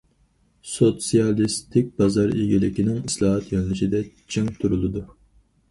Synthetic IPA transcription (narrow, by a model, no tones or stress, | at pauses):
sot̪sijɑlˠist̪ʰɪk̚ʲbɑzɑɾiɡʲilɪkʲinɪŋislˠɑːɦɑt̪jɛnlɨʃid̪ɛ | t͡ʃʰiŋt̪ʰuɾulˠɨd̪u